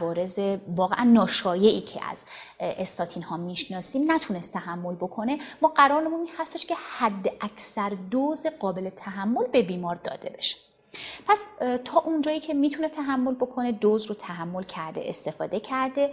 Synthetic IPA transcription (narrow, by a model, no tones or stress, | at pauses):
vɒːɾe̞zevɒːɣeʔænːɒːʃɒːje̞ʔiːcʰḛʔæ̰z̥ | est̪ɒːt̪ʰinhɒːmiːʃnɒːsiːmnæt̪ʰune̞st̪ʰːæɦæmːo̞lbo̞kʰo̞ne̞mɒːɢæɾɒːɾnemuninhæst̪eʃcʰe̞hæd̪ːeʔæcʰsæɾd̪oːzeɢɒːbe̞le̞t̪ʰæɦæmːo̞lbe̞biːmɒːɾd̪ɒ̰ːd̪̥e̞̰be̞ʃe̥ | pʰæst̪ʰɒːʔund͡ʒɒːjiːcʰe̞miːt̪ʰunet̪ʰæɦæmːo̞lbo̞kʰo̞ne̞d̪oːzɾot̪ʰæɦæmːo̞lcʰæɾd̪e̞̰ʔest̪e̞fɒ̰ːd̪e̞cʰæɾd̪e̞